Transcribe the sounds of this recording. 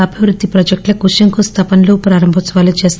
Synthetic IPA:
ɐbʱiʋɾud̪ʱːipɾod͡ʒek̚ʈlɐkuʂɐŋkust̪ʰɐpɐnloːpɾaːɾɐmbʱɐt͡ʃːɐʋaːlut͡ʃeːst̪

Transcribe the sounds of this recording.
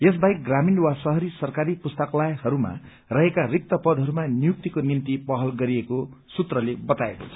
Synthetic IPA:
es̬baj̚ɡraminwasʌɦʌɾisʌrkaɾipust̪ʌklajhʌɾuma̰ | rʌɦekarik̚t̪ʌpʌd̪ʱɦʌɾumanijuk̚t̪ikonint̪ipʌɦʌlɡʌɾiekosut̪rʌlebʌt̪aeko̰t͡sʰʌ

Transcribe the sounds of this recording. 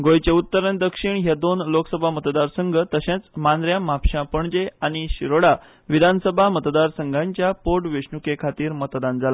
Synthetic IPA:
ɡojt͡ɕeut̪ːəɾəned̪əkʂiɳɦjad̪onloksəbʱamət̪d̪aɾsəŋɡʱət̪əɕẽt͡smand̪ɾjamapɕãpəɳd͡ʑeaɽ̃iɕiɾoɽa | ʋid̪ʱansəbʱamət̪d̪aɾsəŋɡʱãɲt͡ɕjapoʈʋeɕɳukekʰat̪iːɾmət̪d̪and͡zala

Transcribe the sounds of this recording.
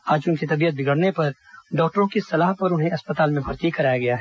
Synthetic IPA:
aːd͡ʒʊnkit̪ɐbijət̪̚bʱɪɡəɽnepɐɾ | ɖɔːk̚ʈəɾõkisɐlaːɦpɐɾʊnɦẽɐspət̪aːlmẽbʱɐɾt̪ikɐɾaːjaɡɐjaːɦɛ

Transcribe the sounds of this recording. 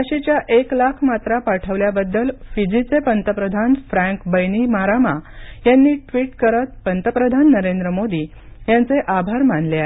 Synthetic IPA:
aɕet͡ɕjaʔeklakʰmat̪ɾapaʈʰəʋljabəd̪ːəlfid͡zit͡sepənt̪əpɾəd̪ʱanfɾæ̃ŋkbəjnimaɾamajanːiːʈʋiːʈkəɾət̪̚pənt̪əpɾəd̪ʱanːəɾend̪ɾəmod̪iː | jant͡seʔabʱaɾmanleaɦe

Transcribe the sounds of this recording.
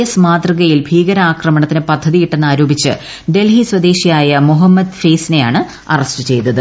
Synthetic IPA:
ɐsmaːd̪riɣɐjilbʱiːɣɐɾɐaːkrɐmɐɳɐt̪ːinɨpɐd̪ʱːɐðijiʈːe̞nːaːɾoːbit͡ɕːɨ̰ | ɖe̞lɦiswɐd̪e̞ːɕijaːjɐmuɦɐmːɐd̪feːsine̞jaːɳɨ | ɐ̰rɐsʈɨt͡ɕe̞jt̪ːɐðɨ

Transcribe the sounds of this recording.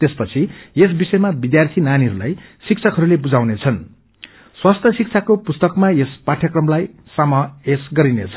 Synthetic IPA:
t̪espʌt͡sʰiesbisʌjmabid̪jart̪ʰinaniɦʌɾula̰jsik̚t͡sʰʌkɦʌɾulebud͡zawnet͡sʰʌn | swast̪ʰjʌsik̚t͡sʰakopust̪ʌkmaespaʈʰjʌkrʌmlajsamʌesɡʌɾinḛt͡sʰʌ̥

